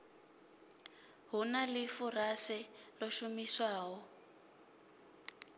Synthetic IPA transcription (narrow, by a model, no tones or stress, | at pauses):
ɦunalɪfurasɛlɔʃumiswaːɦɔ